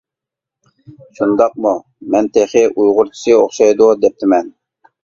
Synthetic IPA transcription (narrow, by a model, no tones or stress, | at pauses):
ʃund̪ɑq̚mu | mɛnt̪ʰeχɪʔujʁʊɾt͡ʃʰi̥sɨoχʃɑjd̪ud̪ɛp̚t̪ʰɪmɛn